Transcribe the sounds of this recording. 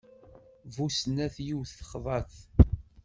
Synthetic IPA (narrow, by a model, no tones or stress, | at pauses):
vusnæθjiwθθəχðˤɑθ